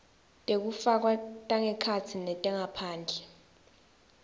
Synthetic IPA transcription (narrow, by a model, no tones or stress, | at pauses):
tʼek̬ufak̬watʼaŋɛkʰat͡sʰinɛtʼɛŋapʰaːnd͡ɮʱɛ